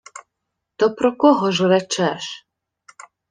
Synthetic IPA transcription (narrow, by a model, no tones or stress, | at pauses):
t̪ɔpɾɔkɔɦɔʒrɛt͡ʃɛʃ